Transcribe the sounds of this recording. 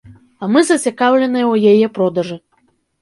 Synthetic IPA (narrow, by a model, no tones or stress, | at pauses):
ɐmɨzɐt͡sʲakawlʲɛnɨjɐwjajɛpɾɔd̪ɐʐɨ